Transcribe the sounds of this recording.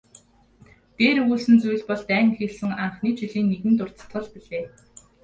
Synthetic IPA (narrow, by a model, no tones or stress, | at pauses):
t̪eːɾɣuːɮsɘ̆nt͡suj̆ɮpɔɮt̪æːŋ̆xiːɮsɘ̆ŋaɴχniːt͡ɕiɮiːnːeɣɘ̆nt̪̬ʊr̥t͡sə̥̆t̪χə̆ɮpiɮeː